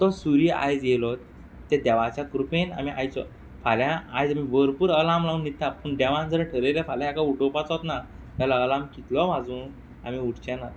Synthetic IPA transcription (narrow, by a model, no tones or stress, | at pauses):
t̪ɔsuɾia̰jd͡zjelɔt̪ː | ɛd̪ɛʋat͡ɕakɾupena̰miʔa̰jt͡sɔ̰ | faljãːjd͡zamiʋəɾpuːɾəlamlaunːit̪ːapəɳɖɛʋãnd͡zəɾeʈʰəɾelefalãakauʈopat͡sɦt̪na | t̪alaəlamkit̪lɔmad͡zũːn | a̰miuɽt͡ɕɛ̃nat̪